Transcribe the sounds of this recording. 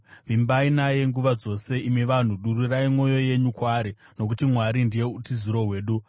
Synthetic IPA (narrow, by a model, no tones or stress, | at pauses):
ʋimbainaje̞ŋɡuʋad͡zo̞se̞imiʋan̤uɗuɾuraimwo̞jo̞je̞ɲukwaːɾi | nok̬utimwaɾindije̞utiziɾo̞ɦwe̞ːɗu